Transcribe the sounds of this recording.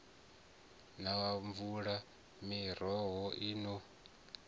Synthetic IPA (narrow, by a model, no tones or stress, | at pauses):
nawaɱvuɺa | miɾɔɦɔʔiːnɔ